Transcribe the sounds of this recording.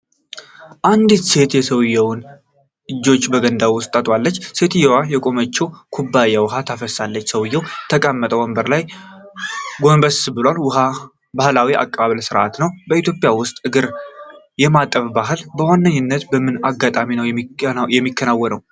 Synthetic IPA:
ʔand̪ɨt̪se̞t̪jɛsəwɨjːɛwn | ɨd͡ʒːo̞t͡ʃːbəɡənd̪awwʊst̪ʼat̪ʼwalːət͡ʃːse̞t̪jɛwajɛkʼo̞mət͡ʃːɛwkʰubːajawɦat̪ʰafəsalːət͡ʃːsəwɨjːɛwt̪ʰəkʼəmːət̪ʼəwəmbəɾlaj | ɡo̞nbəsbɨlwalwha | bahlawiʔa̰kʼːəβaβəlsɨɾʔa̰t̪nəwbəit̪jo̞pʼɪjawʊst̪ʼɨɡɨɾ | jɛmat̪ʼəfbaɦɨlbəwanːəɲːɪnːət̪bəmɨnaɡːat̪ʼaminəwjjɛmːikʰːənawːənəw

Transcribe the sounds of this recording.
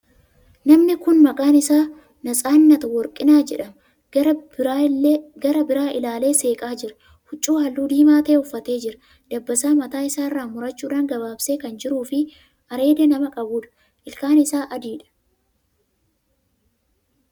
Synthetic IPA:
nɐmnɪkʊnmɐkʼaːnɪsaː | nɐsʼaːnːɐt̪ɐwɔɾkʼɪnaːd͡ʒɛᶑɐm | ɡɐɾɐbɪɾaːʔɪlaːle̞ːse̞ːkʼaːd͡ʒɪɾɐ̥ | hʊt͡ʃʼːuːhɐlːuːd̪iːmaːt̪e̞ːʊfːɐt̪e̞ːd͡ʒɪɾɐ̥ | d̪̥ɐbːɐsaːmɐt̪aːɪsaːɪrːaːmʊɾɐt͡ʃːuːᶑaːŋɡɐbaːbseːkɐnd͡ʒɪɾuːfɪ | ʔɐɾe̞ːd̪ɛnɐmɐkʼɐbuːᶑɐ̥ | ʔɪlkaːnɪsaːʔɐd̪iːᶑɐ̥

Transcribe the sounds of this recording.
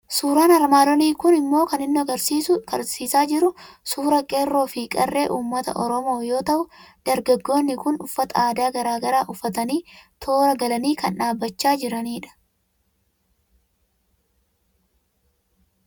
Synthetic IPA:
suːɾaːnɐɾmaːd̪ɔniːkʊnɪmːo̞ːkɐnɪnːʊɐɡɐɾsiːsʊɡɐɾsiːsaːd͡ʒɪɾʊsuːɾɐkʼe̞ːrːo̞ːfɪkʼɐrːe̞ːʔuːmːɐt̪ɐ̰ʔɔɾɔmo̞ːjo̞ːt̪ɐʔʊd̪̥ɐɾɡɐɡːo̞ːnːɪkʊnʊfːɐt̪ɐaːd̪aːɡɐɾaːɡɐɾaːʔʊfːɐt̪ɐniːt̪ʰo̞ːɾɐɡɐlɐniːkɐnᶑaːbːɐt͡ʃːaːd͡ʒɪɾɐniːᶑɐ̥

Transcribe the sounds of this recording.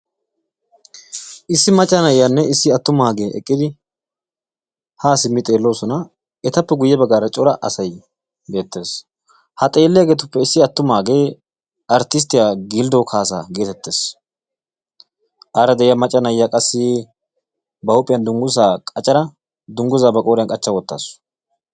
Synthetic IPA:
ʔɪsːɪmɐt͡ʃʼːɐnɐjːanːɛɪsːɪɐt̪ːʊmaːɡeːʔɛ̰kʼːɪd̪ɪ | haːsɪmːɪt̪ʼe̞ːlːo̞ːsɔnɐ | ɛt̪ɐpːɛɡʊjːɛbɐɡaːɾɐt͡ʃʼɔɾɐʔɐsɐj | be̞ːt̪ːe̞ːs | hɐt̪ʼe̞ːlːɛjaɡeːt̪̬ʊpːɛɪsːɪɐt̪ːʊmaːɡeː | ɐɾt̪ɪs̬t̪ɪjaːɡild̪oːkʰaːsa̰ːɡe̞ːt̪ɛt̪ːe̞ːs | ʔaːɾɐd̪ɛɪjɐmɐt͡ʃʼːɐnɐjːakʼɐsːɪ | bɐʊpʼːɪjɐnd̪ʊŋɡʊs̬aːkʼɐt͡ʃʼɐɾɐ | d̪ʊŋɡʊzaːbɐkʼoːɾɪjɐnkʼɐt͡ʃːɐwɔt̪ːa̰ːsʊ̥

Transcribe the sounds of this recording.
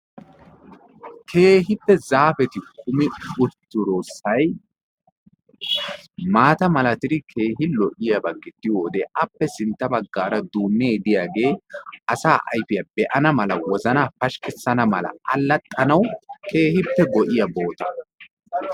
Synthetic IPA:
kʰe̞ːɦɪpːɛzaːfɛt̪ɪkʰʊmɪʊɾt̪ːʊɾoːsːɐj | maːt̪ɐmɐlɐt̪ɪɾɪkʰe̞ːɦɪlɔʔɪjɐbɐɡːɪt̪ːɪjoːd̪eːʔɐpːɛsɪnt̪ːɐbɐɡːaːɾɐd̪uːnːeːd̪ɪjaːɡe̞ːʔɐsaːʔɐ̰jfɪjɐbɛʔɐnɐmɐlɐwɔzɐnaːfɐʃkɪsːɐnɐmɐlɐ̰ɐlːɐt̪ʼːɐnɐwkʰe̞ːhɪpːɛɡɔʔɪjɐbo̞ːt̪ɐ̥

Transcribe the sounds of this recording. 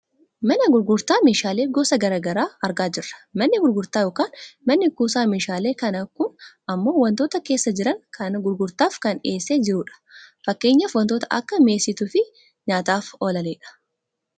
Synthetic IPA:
mɐnɐɡʊɾɡʊɾt̪aːmeːʃaːle̞ːɡoːsɐɡɐɾaːɡɐɾaːɐɾɡaːd͡ʒɪrːɐ̥mɐnːɪɡʊɾɡʊɾt̪aːjoːkaːnmɐnːɪkuːsaːmeːʃaːle̞ːkɐnɐkʊn | ɐmːo̞ːwɐnt̪o̞ːt̪ɐke̞ːsːɐd͡ʒɪɾɐŋkʰɐnɡʊɾɡʊɾt̪aːfkɐne̞ːsːe̞ːd͡ʒɪɾʊᶑɐ̥fɐkːe̞ːɲːɐfwɐnt̪oːt̪ɐʔɐ̰kːɐme̞ːsːɪt̪ʊfɪ | ɲaːt̪aːfoːlɐleːᶑɐ̥

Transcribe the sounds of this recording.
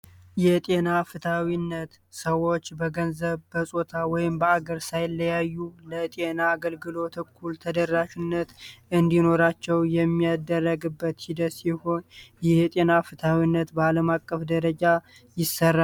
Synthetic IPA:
jɛt̪ʼe̞nafɨt̪ʰawinːət̪ | səwo̞t͡ʃːbəɡənzəβbəsʼot̪ʰawɔjɪmbəaɡəɾsajlːəjajːulət̪ʼe̞naːɡəlɡɨlo̞t̪ʰɨkʰːult̪ʰəd̪ərːaʃinːət̪ʔɨnd̪ino̞ɾat͡ʃːɛwjɛmːijad̪ərːəɡɨbːət̪hid̪ət̪siho̞njɪhjt̪ʼe̞nafɨt̪ʰawinːət̪bəaləmakʼːəfd̪əɾəd͡ʒa | jɪsːərːa

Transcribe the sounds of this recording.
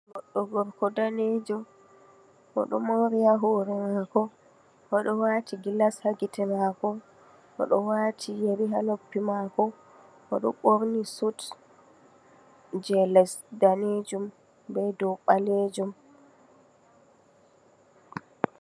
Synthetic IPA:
ɡɔɗːɔɡɔɾkɔdaned͡ʒɔ | ʔɔ̰ɗɔmoɾijaɦoːɾɛmakɔ | ʔɔɗɔwatiɡilashaɡitɛmaːkɔ | ʔɔ̰ɗɔwatʰijeɾiɦanopːimakɔ | ʔɔɗɔɓoɾnisut | d͡ʒɛlɛsdaned͡ʒum | bɛdɔɓaled͡ʒum

